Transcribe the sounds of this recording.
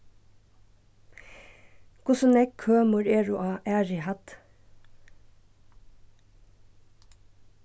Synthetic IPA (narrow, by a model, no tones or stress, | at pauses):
ɡ̥ʊsɔnɛkʰːøːmʊɹeːɹʊʔɑːʔæːɹɪhɑt̪